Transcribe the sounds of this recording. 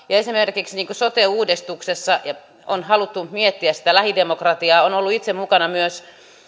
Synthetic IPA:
jɑesimerkiksniːŋkusot̪euːdist̪uksesːɑjɑ | o̰nhɑlut̪ːunt̪miet̪ːiæsi̥t̪ælæhidemokrɑt̪iɑːonolːuit̪semmukɑnɑmyøs

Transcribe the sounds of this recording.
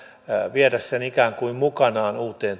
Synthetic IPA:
ʋiɛdæssenikæːŋkuimmukɑnɑːnuːt̪eːn

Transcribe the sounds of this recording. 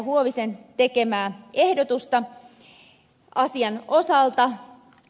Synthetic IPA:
ɦuoʋisent̪ekemæːehdot̪ust̪ɑ | ʔɑsiɑno̞sɑlt̪ɑ

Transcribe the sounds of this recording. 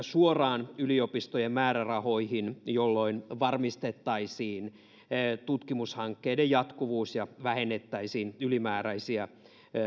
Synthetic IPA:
suorɑːnyliopist̪ojemmæːɾærɑho̞ihinjolːoinʋɑrmist̪et̪ːɑisiːn | t̪ut̪kimushɑŋkːeidejjɑt̪kuʋuːsjɑʋæhenːet̪ːæisiːnylimæːɾæisiæ

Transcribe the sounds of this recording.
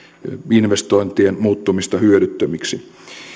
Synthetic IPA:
inʋest̪oint̪ienmuːt̪ːumist̪ɑhyøɾyt̪ːømiksi

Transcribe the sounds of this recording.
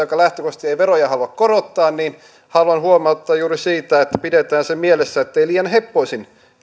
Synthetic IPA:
okɑlæht̪økost̪ieiʋerojɑhɑluɑkkoɾot̪ːɑːnniːn | hɑluɑnhuomɑut̪ːɑjjuːrisiːt̪æet̪ːæ̥pidet̪æːnsemmielesːæet̪ːeiliːjɑnhepːoisin

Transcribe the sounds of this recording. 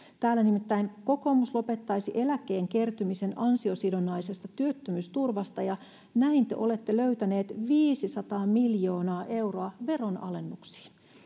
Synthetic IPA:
t̪æːlːænimit̪ːæjnko̞komuslo̞pe̞t̪ːɑjsiʔe̞læke̞ːŋkert̪ymise̞nɑnsio̞sidonɑjse̞st̪ɑt̪yøt̪ːømyːst̪urʋɑst̪ɑjɑ | næint̪ḛʔo̞le̞t̪ːeløyt̪æne̞ːt̪ʋiːsisɑt̪ɑːmiljo̞ːnɑːʔe̞wroɑʋe̞ro̞nʔɑ̰le̞nːuksi̥ːn

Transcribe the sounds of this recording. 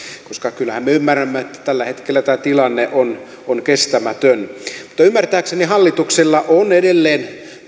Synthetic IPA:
koskɑkylːæhæmmeymːæræmːæet̪ːæ̥t̪ælːæhet̪kelːæt̪æːt̪ilɑnːeʔon | onkest̪æmæt̪ønmu̥t̪ːɑymːært̪æːksenihɑlːit̪ukselːɑʔonedelːeːn

